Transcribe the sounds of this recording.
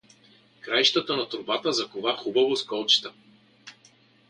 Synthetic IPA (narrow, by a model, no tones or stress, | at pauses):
kɾajʃt̪ət̪ənɐt̪ɾʊbat̪əzɐkovaxubɐvoskɔlˠt͡ʃt̪ə